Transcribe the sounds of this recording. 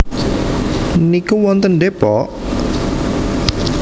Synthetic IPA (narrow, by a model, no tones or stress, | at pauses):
nikuwɔnt̪ənɖepɔʔ